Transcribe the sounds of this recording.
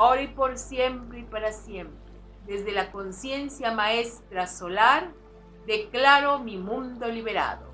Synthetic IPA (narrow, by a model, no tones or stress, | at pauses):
aoɾaipo̞ɾsje̞mpɾeipaɾasje̞mpɾe | ðe̞zðe̞lako̞nsje̞nsjamaest̪ɾaso̞laɾ | d̪eklaɾo̞mimũnd̪o̞liβeɾa̰ðo̰